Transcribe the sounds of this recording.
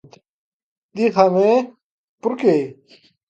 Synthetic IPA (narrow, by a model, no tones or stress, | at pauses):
t̪ | d̪ixʰame | puɾke